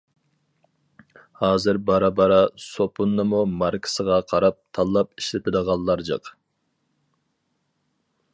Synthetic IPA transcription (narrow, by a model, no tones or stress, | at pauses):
hɑːzɨɾbɑɾɑbɑɾɑsopʰunːɨmumɑɾkʰə̥səʁɑqʰɑɾɑp̚t̪ʰɑlˠːɑpiʃlɪt̪ʰɪd̪əʁɑlˠːɑɾd͡ʒɑ̰q